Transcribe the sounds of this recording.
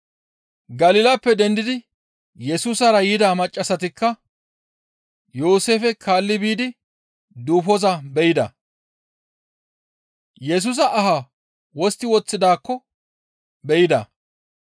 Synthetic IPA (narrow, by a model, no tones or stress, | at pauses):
ɡɐlɪːlɐpːɛd̪ɛnd̪ɪd̪ɪ | jɛsuːsɐɾɐjɪd̪aːmɐt͡ʃʼːɐsɐt̪ɪkːɐ | jo̞ːse̞ːfɛkʰaːlːɪbiːd̪ɪ | d̪uːfɔzɐbɛjɪd̪ɐ̰ | jɛs̬uːs̬ɐʔːɦa | wɔst̪ːɪwɔt͡sːɪd̪aːkːɔ | bɛjɪd̪ɐ̰